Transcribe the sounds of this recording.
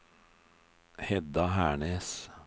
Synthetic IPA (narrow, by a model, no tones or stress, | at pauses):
hɛd̪ɑhæːɳeːs